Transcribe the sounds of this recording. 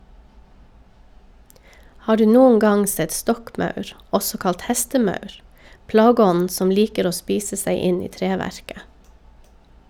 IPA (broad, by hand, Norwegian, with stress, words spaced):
ˈhɑː ˈɖʉː ˈnuːən ˈɡɑŋ ˈsɛt ˈstɔkˌmɑʉɾ ˈɔsɔ ˈkɑlt ˈhæstəˌmɑʉɾ ˈplɑːɡəˌɔnn̩ ˈsɔm ˈliːkəɾ ˈoː ˈspiːsə ˈsæɪ ˈɪn ˈiː ˈtɾeːˌʋæɾkə